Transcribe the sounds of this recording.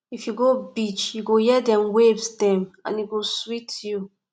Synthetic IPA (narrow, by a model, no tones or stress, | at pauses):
ifjuɡobit͡ʃjuɡojɛdɛ̃mwebsdɛ̃mã̰njuɡoswitju